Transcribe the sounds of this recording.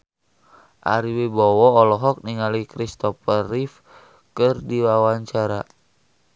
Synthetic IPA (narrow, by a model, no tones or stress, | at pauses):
ʔa̰ɾiwebɔwɔːlɔɦɔk̚niŋalikɾist̪ɔfərif | kɨrdiwawaɲt͡ʃaɾa